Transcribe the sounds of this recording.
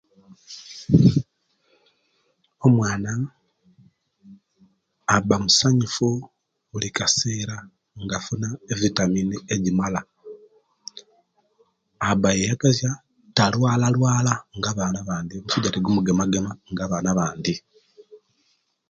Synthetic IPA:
omwaːna | bamusaɲifu | ulikaseːɾa | ŋɡafunaevitaminieɟimala | abajejakazja | talwaːlalwaːlaŋɡaβaːnaβaːndiomusuɟateɡumuɡemaɡemaŋɡaβaːnaβaːndi

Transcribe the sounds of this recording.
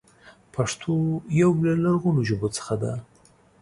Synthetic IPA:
pʰaʂt̪ʰojawlalaɾɣunoʒəbot͡sə̥xad̪a

